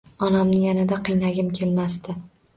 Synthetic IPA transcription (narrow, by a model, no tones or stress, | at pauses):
ɒnamɪjanɪd̪aqʰɨjnaɡʲɪmkʲʰe̞lmast̪ɪ